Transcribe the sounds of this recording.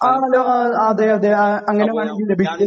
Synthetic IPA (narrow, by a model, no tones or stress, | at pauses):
aːloːaaːðeːɐðeɐŋːɐneʋaːɳeŋɡillebʱit͡ɕʲːɐ